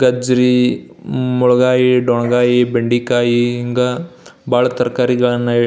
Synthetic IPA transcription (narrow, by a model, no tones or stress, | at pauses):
ɡɐd͡ʒɾi | muɭɐɡaːjiɖɔɳɐɡaːjibeɳɖikaːjiŋɡɐbaːɭɐt̪ɐɾɐkaːɾiɡɐɭɐnːɐ